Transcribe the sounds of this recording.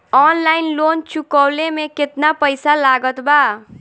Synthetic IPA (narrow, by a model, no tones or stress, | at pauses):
ɔnlainlont͡ʃukɔwlemeket̪napəjsalaɡət̪ba